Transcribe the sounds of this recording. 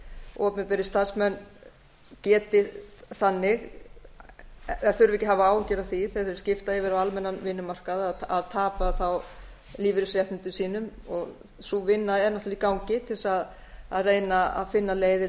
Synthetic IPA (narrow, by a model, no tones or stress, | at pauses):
ɔːpnɪpɛɾɪst̪aɾsmɛnː | cɛːt̪ɪθanːɪɣ | θœʏɾvɛcɪɦavaaːwcɛɾaθiθeθœɾscɪft̪aɛvɪɾawalmɛnːanvɪnːʏmar̥kaðaðaðt̪ʰaːpaθaw | liːvɪɾɪsɾjɛht̪nɪnt̪ʏsiːnʏmɔɣ | suvɪnːaɛnːaht̪likawŋcɪt̪ʰɪlsað | aðreːjnaa̰ðfɪnːaleːjðɪ